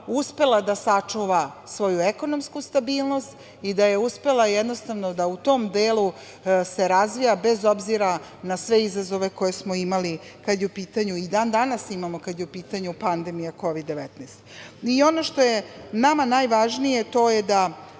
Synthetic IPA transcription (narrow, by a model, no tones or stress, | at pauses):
uspe̞lˠad̪asat͡ʂuʋa | sʋo̞jueko̞no̞mskust̪abiːlˠno̞st̪ | id̪ajeuspe̞lˠajɛd̪nost̪aʋno̞d̪aut̪o̞md̪eːlˠu | se̞ɾazʋijabezo̞bziɾa | nasʋe̞izazo̞ʋe̞ko̞je̞smoimali | kad̪jeupiːt̪aɲuid̪aːnd̪anasimamo̞kad̪jeupiːt̪aɲupand̪e̞mijako̞ʋid̪ːeʋet̪neːst̪io̞no̞ʃt̪o̞jenamanajʋaʒnije̞t̪o̞jed̪a